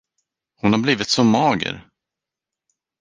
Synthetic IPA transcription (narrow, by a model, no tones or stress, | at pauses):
hʊnhaɾbliːvɪt̪sɔmːɑːɡə̰ɾ